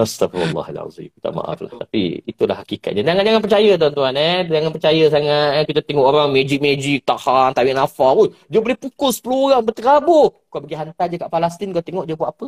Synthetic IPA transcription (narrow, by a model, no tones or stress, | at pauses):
ast̪afɔ̰lːɑ̰ha̰la̰zḭmkit̪a̰ma̰ʔa̰fla̰ht̪apḭit̪ula̰hakika̰t̪̚ɲad͡ʒaŋand͡ʒaŋanpərt͡ʃajət̪̬uant̪uaned͡ʒaŋanpət͡ʃajəs̬aŋat̪kit̪at̪ɛŋɔʔoɾaŋmed͡ʒik̚med͡ʒik̚t̪ahant̪awiʔnafaojd͡ʒəbəlihpukʊspəluɣaŋbərt̪əɾabokuabəɡiɦant̪ajd͡ʒəkaʔpalast̪inkuat̪eŋɔʔd͡ʒəbwatʔapə